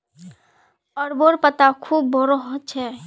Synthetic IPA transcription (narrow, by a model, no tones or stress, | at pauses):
ɔɾboɾpət̪akʰuːbːɔɾɔɦɔt͡ʃʰɛ